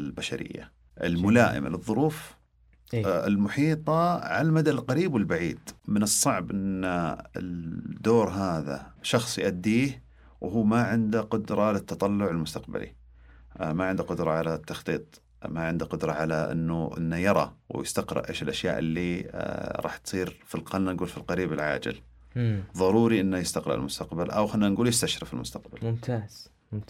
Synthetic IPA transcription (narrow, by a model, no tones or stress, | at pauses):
baʃaɾɪ̰jːa̰ | ʔɪ̰lmʊlaːʔɪ̰mlɨðˤːʊɾuːf | ɪlmʊħiːt̪ˤɑʕalamad̪alqaɾiːbwɪlbaʕiːd̪mɪnɨsˤːɑʕbʔɪnːaɪd̪oːɾɦaːða̰ʃɑxsˤjɪʔad̪ːiːh | wɦuːmaʕɪnd̪aqʊd̪ɾˤɑʕlɪt̪ːɑt̪ˤɑlːʊʕɪlmʊst̪aqba̰lḭ | maʕɪnd̪aqʊd̪ɾˤɑʕalat̪ːɑxt̪ˤiːt̪ˤ | maʕɪnd̪aqʊd̪ɾˤɑʕalaʔɪ̰nːuʔɪ̰nːajɑɾˤɑ̰wjɪst̪aqɾɪ̰ʔeːʃɪlʔaʃja̰ːʔɪlːi | ɾˤɑ̰ːħt̪sˤiːɾfilqalnanɡuːlfilqɑɾiːbɪlʕa̰ːd͡ʒɪ̰l | ðˤɑɾˤuːɾiʔɪnːajɪst̪aqɾɪ̰ʕɪ̰lmʊst̪aqbalʔa̰wxanːanɡuːljɪst̪aʃɾɪfɪlmʊst̪aq̚balmʊmt̪ʰaːz̥